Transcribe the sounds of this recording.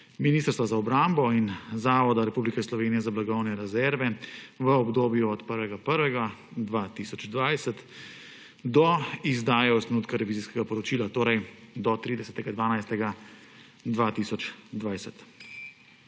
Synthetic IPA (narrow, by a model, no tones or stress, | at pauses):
miniːst̪əɾst̪ʋazaɔbɾambɔinzaːʋɔd̪aɾɛpublikɛslɔʋeːnijɛzablaɡɔwnɛɾɛzɛɾʋɛʋəɔbd̪oːbjuɔt̪pəɾʋɛɡapəɾʋɛɡad̪ʋaːt̪isɔd͡ʒd̪ʋajsɛt̪ | d̪ɔizd̪aːjɛɔst̪ɾɛnuːt̪kaɾɛʋiːziskɛɡapɔɾɔt͡ʃiːlat̪oːɾɛjd̪ɔt̪ɾiːd̪ɛsɛt̪ɛɡad̪ʋaːnajst̪ɛɡa | d̪ʋaːt̪isɔt͡ʃd̪ʋaːjsɛt̪